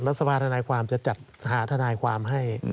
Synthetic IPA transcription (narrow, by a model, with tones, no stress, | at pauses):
ɾa˦˥t̪̚sa˧baː˧nt̪ʰa˧naː˧jkʰwaː˧mt͡ɕa˨˩t͡ɕa˨˩t̪̚ɦaː˩˦t̪ʰa˧naː˧jkʰwaː˧mɦa˥˩j